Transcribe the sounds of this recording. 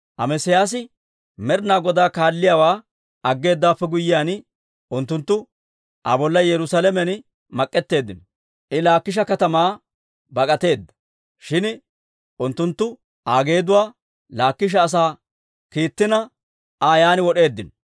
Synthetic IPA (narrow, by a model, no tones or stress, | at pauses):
ʔɐmɛsɪjaːs̬ɪ | mɛɾnaːɡɔd̪aːkaːlːɪjaːwaː | ɐɡːe̞ːd̪ːaːpːɛɡʊjːɪjaːn | ʊnt̪ːʊnt̪ːʊ | ʔɐ̰bɔlːɐjɛɾʊsaːlɛmɛn | mɐkʼːɛt̪ːe̞ːd̪ːɪnɔ | ʔɪlaːkːɪʃ̬ɐkɐt̪ɐmaː | bɐkʼɐt̪e̞ːd̪ːɐ̥ | ʃɪn | ʔʊnt̪ːʊnt̪ːʊ | ʔaːɡe̞ːd̪ʊwaː | laːkːɪʃ̬ɐːs̬aː | kiːt̪ːɪnɐ | aːjaːnɪwɔɗe̞ːd̪ːɪnɔ